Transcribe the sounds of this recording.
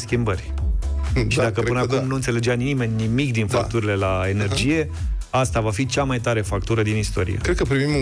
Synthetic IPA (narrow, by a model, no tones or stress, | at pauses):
skʲimbərʲ | ʃid̪akəpɨnəakumnuɨnt̪sele̞d͡ʒeanime̞nʲnimikd̪infakt̪uɾile̞lae̞ne̞rd͡ʒije̞ | ast̪avafit͡ʃamajt̪aɾe̞fakt̪uɾəd̪inist̪o̞ɾḭḛkɾed̪kəpɾivim